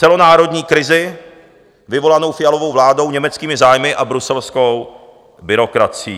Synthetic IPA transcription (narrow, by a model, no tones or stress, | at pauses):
t͡sɛlo̞naːɾo̞dɲiːkɾɪzɪ | vɪvo̞lano̞wfɪjalovo̞wvlaːdo̞wɲɛmɛt͡skiːmɪzaːjmɪʔabɾusɛlskow | bɪɾo̞kɾat͡sɪiː